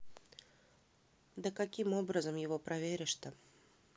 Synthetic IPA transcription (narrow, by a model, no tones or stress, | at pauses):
d̪əkakʲimobɾəzəmjɪvopɾʔɐvʲeɾʲɪʂt̪ə